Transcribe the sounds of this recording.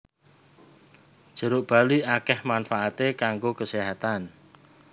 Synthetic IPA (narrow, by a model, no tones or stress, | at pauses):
ʒ̥ə̤ɾʊʔb̥aliakɛhmanfaʔat̪ekaŋɡokəseɦat̪an